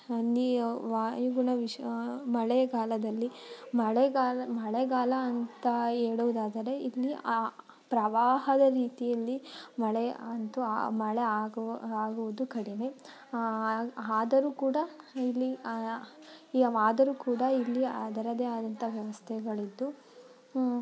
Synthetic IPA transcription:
niʋaːjuɡuɳɐʋimɐɭeɡaːlɐd̪ɐlːimɐɭɛɡaːlmɐɭeɡaːlɐːnt̪ɐeːɽuʋd̪aːd̪ɐɾe̞ilːia | pɾɐʋaːɦɐd̪ɐɾiːt̪ijɐlːimɐɭɛɐnt̪ṵmɐɭeaːɡaːɡuʋud̪ukɐɽine | aːd̪ɐɾuːkuːɽɐilːi | iaːd̪ɐɾuːkuːɽɐilːiɐd̪ɐɾɐd̪eːaːd̪ɐnt̪ʰɐʋjɐʋɐst̪ʰɛɡɐɭid̪ːu

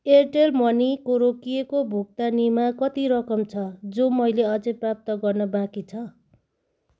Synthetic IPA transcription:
erʈelmʌnikoɾokijekobʱuk̚t̪animakʌt̪iɾʌkʌmt͡sʰʌd͡zomʌjleʌd͡zʌjprap̚t̪ʌɡʌrnʌbãkit͡sʰʌ

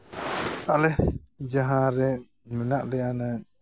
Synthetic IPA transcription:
t̪aʔlɛd͡ʒaɦãɾɛ | mɛnaʔlɛana

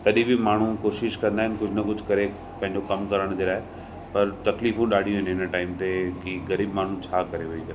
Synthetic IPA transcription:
t̪ɐɗĩbɪmaːɳ̤ũkoːʃɪʃkɐ̃nd̪aːɦɪnkʊd͡ʑʱnɐkʊd͡ʑʱkɐɾe | pɐ̃ɦɪ̃ɲ̆d͡ʑokɐmkɐɾəɽ̃d͡ʑeːlaːɦe | pɐɾt̪ɐkliːfũɗaːɽ̤ʱijũɦɪnɦɪnʈaːɪmt̪ekiɣɐɾiːbmaːɳ̤ũt͡ɕʰaːkɐɾeʋɐikɐɾe

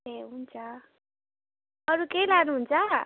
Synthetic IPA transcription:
eɦunt͡sʰʌ | ʌɾukejlanuɦunt͡sʰʌ

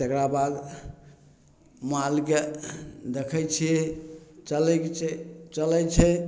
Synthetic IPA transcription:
t̪ekɾabad̪ | malked̪ekʰət͡ʃʰiet͡ʃəlɛt͡ʃɛt͡ʃəlɛjt͡ʃʰɛ

